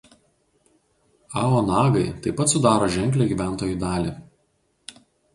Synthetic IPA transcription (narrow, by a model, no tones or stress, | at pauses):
ɑːoːnɑːɡɐɪt̪ɐɪpːɐt̪sʊd̪ɑːɾoːʒʲɛŋʲklʲeːɡʲiːʋʲæˑnt̪oːjud̪ɑːlʲiːˑ